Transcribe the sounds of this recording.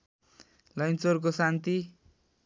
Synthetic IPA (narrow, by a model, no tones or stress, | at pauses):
lʌjnsork̬osant̪i